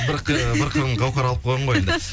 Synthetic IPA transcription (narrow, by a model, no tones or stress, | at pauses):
bɪɾqbɪɾqʰəɾəɴʁɑwqɑɾɑlˠəp̚qʰolˠʁəɴʁoeend̪ə